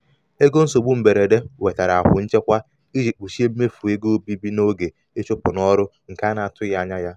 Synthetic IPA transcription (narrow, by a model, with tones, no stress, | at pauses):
e˦ɡo˦n̩˦so˨ɡ͡bu˦m̩˨be˨ɾe˨de˦we˨ta˨ɾa˨a̰˨kʷʊ̰˨n̩˦t͡ʃe˦kʷa˦ | i˦d͡ʒi˨k͡pu˨ʃi˦e˦m̩˦me˦fu˨e˦ɡo˦bi˦bi˦no˦ɡe˨ | e˦t͡ʃʊ˦pʊ˨nɔ˦ɾʊ˦ | ŋ̩˨ka˦na˨a˨tʊ˦ja˦ɲa˦ja˦